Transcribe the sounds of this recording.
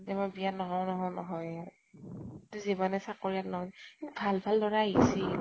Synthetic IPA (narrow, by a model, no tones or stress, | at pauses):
dɛbabianɔɦɔwnɔɦɔnɔɦɔja | tuzibanɛsakoɹiatnɔɦɔjkitubʱalbʱaldɔɹaɦisi